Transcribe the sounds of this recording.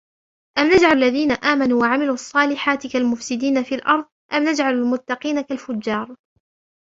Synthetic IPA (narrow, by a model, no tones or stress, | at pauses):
ʔamnad͡ʒʕallːaðiːnaʔaːmanuːwaʕamɪluːʔɑsˤːɑːlɪħaːt̪ɪkalmʊfsɪd̪iːnafiːlʔɑɾˤðˤʔamnad͡ʒʕalalmʊt̪ːɑqiːnakalfʊd͡ʒːɑːɾˤ